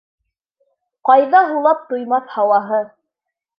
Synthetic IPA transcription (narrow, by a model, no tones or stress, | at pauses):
qɑjðɑɦulˠɑp̚t̪ujmɑθhɑwɑɦɤ